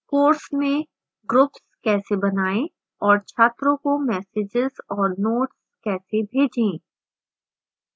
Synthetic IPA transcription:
koːɾsmẽ | ɡɾʊpskɛːsebɐnaːẽ | ɔːɾt͡ʃʰaːt̪ɾõkomɛːseːd͡ʒɪzɔːɾnoːʈskɛːsebʱeːd͡ʒẽ

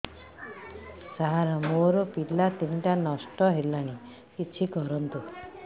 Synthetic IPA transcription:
saɦaɾɔmoɾɔpilat̪iɳʈanɔsʈɔɦelaɽ̃i | kit͡ʃʰikɔɾɔnt̪u

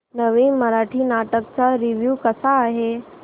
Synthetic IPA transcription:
nəʋiːmːəɾaʈʰiːnaʈəkt͡saɾiʋjuːkəsaːɦe

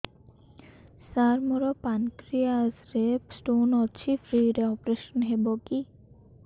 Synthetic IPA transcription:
saɾmoɾɔpankɾiasɾesʈonɔt͡ʃʰifʰɾiɾeɔpɾeʃɔnɦeboki

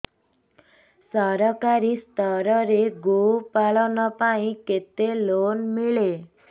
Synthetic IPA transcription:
sʌɾʌkaɾist̪ʌɾʌɾeɡopalʌwnʌpaĩket̪ːelonmiɭe

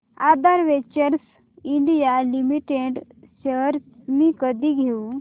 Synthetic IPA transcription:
ad̪aɾʋet͡ɕəɾs | iɳɖijalimiʈeɖ | ɕəɾmikəd̪iɡʱeu

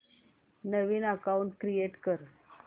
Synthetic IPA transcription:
nəʋiːnakawɳʈ̚kɾieʈkəɾ

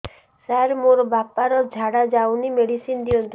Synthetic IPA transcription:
saɾmoɾbapːaɾɔd͡ʒʱaɽad͡ʒawnimeɽisind̪iɔnt̪

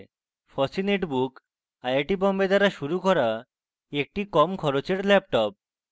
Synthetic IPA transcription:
fɔsineʈbuk | ajaʈibɔmbed̪aɾaʃuɾukɔɾa | ek̚ʈikɔmkʰɔɾot͡ɕeɾlɛp̚ʈɔp̚

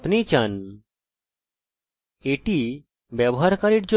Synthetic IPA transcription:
pnet͡ɕan | eʈi | bɛbɔɦaɾkaɾiʈd͡ʑo

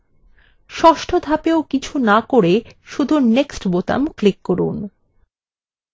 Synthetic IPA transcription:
ʃɔʃʈʰod̪ʱapeokit͡ɕʰunakoɾeʃud̪ʱuneksʈbot̪a̰mklikːoɾṵn

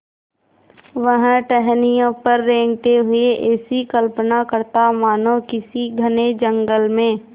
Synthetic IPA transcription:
ʋəɦʈɛɦnijõpəɾːẽːŋɡt̪eɦʊeʔɛːsikəlpənakəɾt̪amaːnõkɪsiɡʱəned͡ʒə̃ŋɡəlmẽː

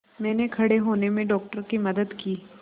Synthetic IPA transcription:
mɛ̃ːnekʰɐɽeɦoːnemẽɖɔːk̚ʈəɾkimɐd̪əd̪kiː

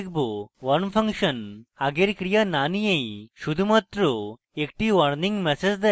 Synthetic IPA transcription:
k̚buʋɐɾnpʰɐ̃ŋkʃɐnaɡeɾkɾijananijẽiʃud̪ʱumɐt̪ɾu | ekʈiʋɐɾnĩŋɡmɛsed͡zd̪ɐ

